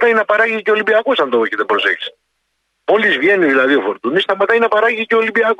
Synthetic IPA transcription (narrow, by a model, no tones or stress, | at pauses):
t̪ɐinɐpɐɾɐʝiceo̞limbiɐkosɐnd̪ooçet̪ebɾo̞sḛçi̥s | o̞lizvʝe̞niðilɐðio̞fo̞ɾt̪unist̪ɐmɐt̪ɐinɐpɐɾɐʝiceo̞limbiɐko